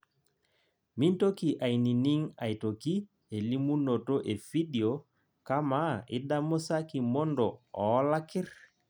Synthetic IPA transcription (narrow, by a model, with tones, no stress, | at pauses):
mi˦nto˦ki˨ʔa˨jni˨ni˦ŋa˨jto˨ki˦ | e˨li˦mu˦no˨to˦ʔe˨fi˦di˨o˨ | ka˦ma˨ɪ˦da˦mʊ˦sa˦ki˨mɔ˦ndɔ˨ɔ˨˦la˦kɪ˦ɾ